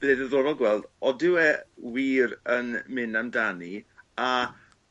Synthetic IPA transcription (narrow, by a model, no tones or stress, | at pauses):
b̥edəðovɔlˠɡwɛlˠdɔdɪwɛwiːɾənmɪnamdania